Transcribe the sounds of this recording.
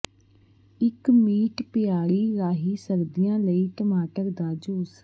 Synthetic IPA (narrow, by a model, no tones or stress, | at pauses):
ɪkmiːʈpɪjaːɽiːɾaːɦiːsəɾd̪ɪjãːləiːʈəmaːʈəɾd̪aːd͡ʒoːs